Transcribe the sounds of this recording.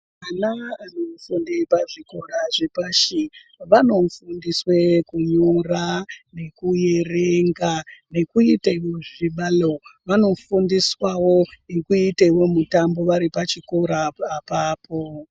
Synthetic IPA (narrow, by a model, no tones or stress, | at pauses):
anaanofundipaʐikoraʐepaʃi | ʋano̞fundiswekuɲorane̞kuje̞reŋɡane̞kuitaiwo̞ʐiɓaloʋano̞fundiswawo̞ikuitaiwo̞mutambo̞ʋaɾipat͡ʃikoɾaːpaːpʰo